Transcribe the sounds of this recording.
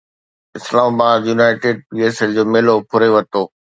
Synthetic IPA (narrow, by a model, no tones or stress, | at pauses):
ɪslaːmabaːd̪juːnaːɪʈeːɖ̚iesəld͡ʑoːmeːlopʰʊɾeʋɐt̪oː